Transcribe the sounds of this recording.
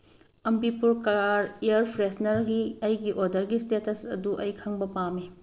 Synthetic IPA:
ɐmbipuɾkaɾeɐɾpʰɾesnɐɾɡiɐjɡiʔodɐɾɡistetɐsɐ̰duʔɐjkʰɐŋbɐpame

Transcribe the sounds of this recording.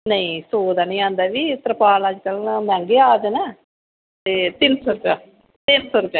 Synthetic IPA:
nɐĩsoːd̪aːnĩãːnd̪aːʋiːt̪ɾəpaːlaːd͡ʒkəlnmãŋɡeːaːd͡ʒənɛː | t̪eːt̪ɪnsəɾkaː | t̪ɪnsəɾkaː

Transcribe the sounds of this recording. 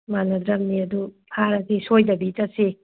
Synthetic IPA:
manɐd̪ɾɐmniɐdu | hʰaɾɐsisojdɐbitɐsi

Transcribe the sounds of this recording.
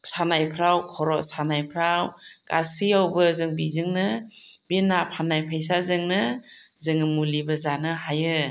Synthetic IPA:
sanajpʰɾawkʰɔɾɔʔsanajpʰɾawka̰siawbɯzɯŋbizɯŋnɯbinapʰanajpʰajs̬azɯŋnɯzɯŋmulibazanɯhajɯ

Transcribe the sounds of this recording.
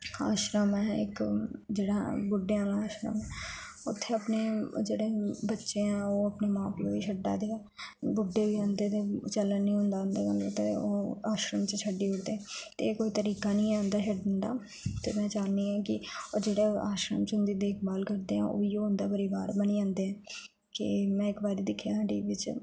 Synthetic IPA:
a̰ːʃɾəmɦɛ̃ːɪ̰kd͡ʒeːɽabʊɖːeãːlaːʃɾə̰mɦɛ̃ː | ʊt̪ʰːeəpned͡ʒeːɽebətːʃeɦɛ̃ːoːəpnemãːplobit͡ʃʰəɖa̰d̪e | bʊɖːebiãnd̪et̪et͡ʃələnnĩːɦʊ̃nd̪aːənd̪əkə̃nd̪et̪eoːaːʃɾəmt͡ʃt͡ʃʰəɖːiːɦʊɽd̪eɛ̃ːt̪eekoːit̪əɾiːkaːnĩːãːnd̪aːʃʰəɖənd̪a̰ː | t̪ḛːmɛ̃ːt͡ʃaːnːiːɛ̃ːkɪod͡ʒeːɽeoʔaːʃɾəmt͡ʃʊ̃nd̪iːd̪eːkʰbaːlkəɾd̪eːɦɛ̰̃ːʔo̰ːjoːɦʊ̃nd̪aːpəɾiːbaːɾbənid͡ʒãːnd̪eːɦɛ̃ː | kɪ̰mɛ̃ːɪkbaːɾiːd̪ɪkʰjaːɦãːɖiːʋɪt͡ʃ

